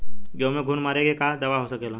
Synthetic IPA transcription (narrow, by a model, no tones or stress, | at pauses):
ɡjõːmẽɡʱunmaːɾeɡekad̪ɐʋaɦosəkelã